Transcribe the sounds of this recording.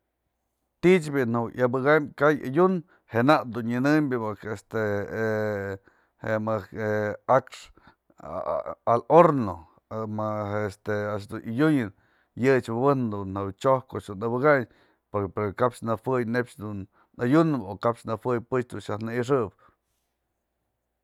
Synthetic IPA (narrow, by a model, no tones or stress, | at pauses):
t̪iʔt͡ʃbinawʔabɨɣamkaja̰jun | henaʔd̪unɲɨnɨmbʲɨmɨkest̪e | hemɨkeakʂ | aloɾno | maest̪eaʃ̬d̪unʔajʲuɲɨn | jɨt͡ʃbɨbɨnd̪unhawt͡ʃoh̚kot͡ʃd̪unɨbɨɣaɲ | popeɾkapʂnɨfɨjnept͡ʃd̪un | ajunɨbokapt͡ʃnɨfɨjpɨt͡ʃd̪unʃahnɨiʂ̬ɨb